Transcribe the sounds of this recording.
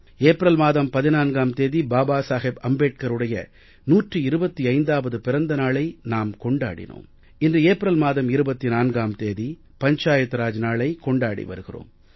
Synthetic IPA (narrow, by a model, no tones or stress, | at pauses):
eːpɾɐlmaːðɐmpɐðɪnaːnɡaːmt̪eːðibaːbaːsaːɣebɐmbeːʈ̚kɐɾɯɽɐjɐ̰ | nuːʈrɯɪɾɯbɐt̪ːiɐɪnd̪aːʋɐðɯpɪɾɐnd̪ɐnaːɭɐɪnaːmkɔɳɖa̰ːɽɪ̰no̰ːm | ɪndrɯeːpɪɾɐlmaːðɐmɪɾɯbɐt̪ːinaːnɡaːmt̪eːði | pɐɲt͡ʃaːjɐt̪ːɾaːd͡ʒnaːɭɐɪkɔɳɖaːɽḭʋɐ̰ɾɯɣɪro̰ːm